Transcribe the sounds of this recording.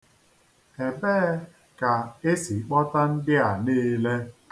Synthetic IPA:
e˨be˦ | ka˨e˦si˨k͡pɔ˦ta˦n̩˦dɪ˦a˨niː˦le˦

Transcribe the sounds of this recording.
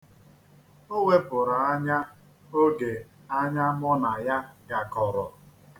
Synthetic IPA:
o˦wʷe˦pʊ˨ɾa˨a˦ɲa˦ | o˦ɡe˨a˦ɲa˦mɔ˦na˨ja˦ɡa˨kɔ˨ɾɔ˨

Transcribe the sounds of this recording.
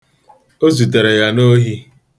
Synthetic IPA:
o˦zu˨te˨ɾe˨ja˦no˦ɦi˦

